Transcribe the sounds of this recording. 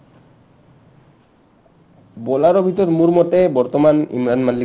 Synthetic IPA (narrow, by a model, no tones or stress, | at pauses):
bɔlaɾobʱit̪ɔɾmuɾmɔt̪ebɔɾt̪omanḭmɾanmalːi